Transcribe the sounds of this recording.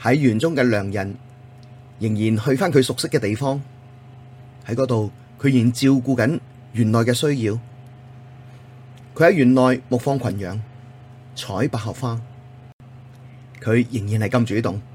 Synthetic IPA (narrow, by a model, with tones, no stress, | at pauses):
hɐ˨˥jːyː˨˩nt͡sʊ˥ŋkɛː˧lœː˨˩ŋjɐ˨˩n | jɪ˨˩ŋjiː˨˩nhɵ˧ɥfaː˥nkʰɵ˨˧ɥsʊ˨k̚sɪ˥kːɛː˧t̪e˨jfɔː˥ŋ | hɐ˨˥jkɔː˨˧˥t̪o˨w | kʰɵ˨˧ɥji˨˩ŋt͡siː˧wkuː˧kɐ˨˥n | ɥyː˨˩nlɔː˨˩jkɛː˧sɵ˥ɥjiː˧w | kʰɥhɐ˨˥jɥyː˨˩nlɔː˨jmʊ˨k̚fɔː˧ŋkʰɐ˨˩njœː˨˧ŋ | t͡sʰɔː˨˥jpaː˨˩khɐ˨p̚faː˥ | kʰɵ˨˧ɥjɪ˨˩ŋjiː˨˩nhɐ˨jkɐ˧mt͡ʃyː˨˥t̪ʊ˨ŋ